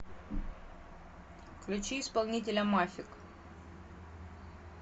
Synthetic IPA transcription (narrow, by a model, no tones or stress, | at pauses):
klʲut͡ʃijspəlnʲit̪ʲilʲamafʲik